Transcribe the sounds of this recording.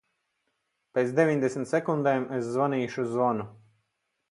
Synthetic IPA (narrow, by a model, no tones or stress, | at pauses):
peːt̪sd̪ʲevʲiɲʲd̪esmʲt̪sɛkund̪ɛːmeszvaniːʃuzvɔnu